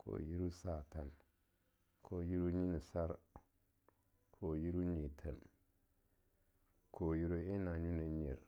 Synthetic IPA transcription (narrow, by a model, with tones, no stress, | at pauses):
kʰo̰˨ji˦ɾu˦sa˦˨ta˨n | kʰo˨ji˦ɾu˦ɲi˦ni˨sa˦ɾ | kʰo˨ji˦ɾu˦ɲi˨tʰa˨n | kʰo˨ji˦ɾo˦i˦na˨ɲu˦ne˨ɲḭ˨ɾ